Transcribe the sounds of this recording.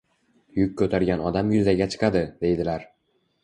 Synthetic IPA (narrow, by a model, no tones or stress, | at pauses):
jʊkʲkʰːɵt̪ʰaɾɡʲanɒd̪amjʊzaɡʲat͡ʃʰɨ̥qʰɑd̪ɪd̪̥e̞jd̪ɪlaɾ